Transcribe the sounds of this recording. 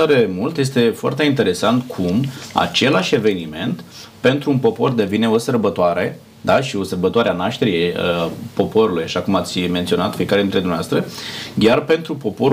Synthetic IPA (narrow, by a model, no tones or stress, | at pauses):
aɾemult̪je̞s̬t̪e̞foa̰rt̪e̞int̪e̞ɾe̞sant̪kʰuma̰t͡ʃe̞laʃʲe̞ve̞nime̞nt̪ | pe̞nt̪ɾuːnpo̞po̞rd̪e̞vine̞o̞sərbət̪oaɾe̞ | d̪aʃio̞sərbət̪oaɾeanaʃt̪e̞ɾiepo̞po̞ɾulujaʃakumat̪sʲment̪sio̞nat̪fie̞kaɾeinɾe̞d̪umneavast̪ɾəɡʲarpe̞nt̪ɾupo̞po̞